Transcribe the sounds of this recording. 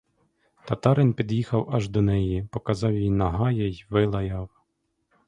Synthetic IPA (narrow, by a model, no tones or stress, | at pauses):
t̪ɐt̪ɑɾɪnpʲid̪jixɐwɐʒd̪ɔnɛjipɔkɐzɑwjinɐɦɑjɛjʋɪlˠɐjɑw